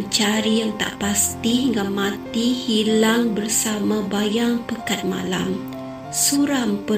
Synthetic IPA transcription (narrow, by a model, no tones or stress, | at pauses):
nt͡ʃaɾijaŋt̪a̰ʔpast̪iŋɡammãt̪ihilaŋbərsamãbajaŋpəkat̪̚mã̰la̰m | suɾampə